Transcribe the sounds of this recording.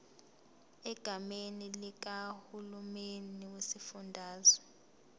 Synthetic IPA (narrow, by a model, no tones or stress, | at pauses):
ɛɡ̥ʱamenilik̬ahulumeniwesifundʱaːzɔ̥